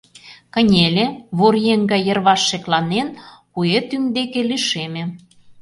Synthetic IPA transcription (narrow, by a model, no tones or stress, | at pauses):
kə̆nʲelʲeβoɾjeŋɡɑjjə̆rβɑʃːeklɑnenpujet̪ymd̪ekeliʃemʲĕ